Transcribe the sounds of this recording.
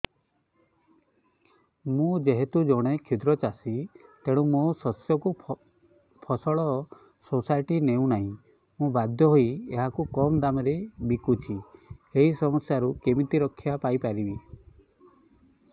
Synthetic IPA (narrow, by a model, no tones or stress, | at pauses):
mũd͡ʒeɦet̪ud͡ʒɔɽ̃ekʰid̪ɾɔt͡ʃasit̪eɽ̃ũmosɔsjɔku | pʰɔsɔɭɔ | sosajʈineũnaɦĩ | mũbad̪ʱjɔɦoieɦakukɔmd̪amɔɾebikut͡ʃʰieɦisɔmɔsjaɾukemit̪iɾɔkʰːjapajpaɾibi